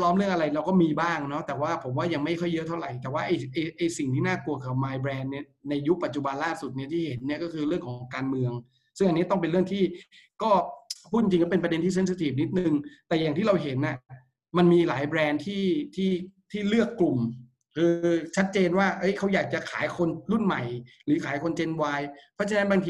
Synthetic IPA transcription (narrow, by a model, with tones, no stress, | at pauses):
lɔː˦˥mɾɯ˥˩əŋʔa˧ɾa˧jɾa˧wkɔː˥˩miː˧baː˥˩ŋnɔ˦˥t̪ɛː˨˩waː˥˩pʰo˩˦mwaː˥˩ja˧ŋma˥˩jkʰɔ˥˩jːɤ˦˥t̪ʰa˥˩wɾa˨˩jt̪ɛː˨˩waː˥˩ʔa˧jʔa˧jʔa˧jsi˨˩ŋt̪ʰiː˥˩naː˥˩ku˧ɐkʰa˨˩maː˧jbɾɛː˧nːi˥˩ɐna˧jːu˦˥pa˨t̪̚t͡ɕu˨˩ba˧nlaː˥˩su˨˩t̪̚ni˥ɐt̪ʰiː˥˩he˩˦nːi˥ɐkɔː˥˩kʰɯː˧ɾɯ˥˩əŋkʰɔː˨˦ŋkaː˧nmɯ˧əŋ | sɯ˥˩ŋʔa˧nːi˦˥˩t̪ɔ˥˩ŋp̬e˧nɾɯ˥˩əŋt̪ʰiː˥˩ | kɔː˥˩pʰuː˥˩i˧t͡ɕi˧kɔ˥pe˧npɾa˧de˧nt̪ʰiː˥˩s̬e˦˥nsa˧t̪ʰiː˨˩p̚ni˦˥t̪̚n˨˧ŋt̪ɛː˨˩ja˨˩ŋt̪ʰiː˥˩ɾa˧wɦe˩˦nʔa˨˩ | ma˧nmiː˧laː˩˦jbɾɛː˧nt̪ʰiː˥˩t̪ʰiː˥˩t̪ʰiː˥˩lɯ˥˩əkːlu˨˩m | kʰɯː˧t͡ɕʰa˦˥t̪̚t͡ɕeː˧nwaː˥˩ʔɤ˦˥jkʰa˦˥wjaː˨˩k̚t͡ɕa˨˩kʰaː˩˦jkʰo˧nɾu˥˩nma˨˩j | ɾɯː˩˦kʰaː˨˩˦jkʰo˧nt͡ɕe˧nwaː˧jpʰɾɔ˦˥t͡ɕʰa˧na˦˥nbaː˧t̪ʰː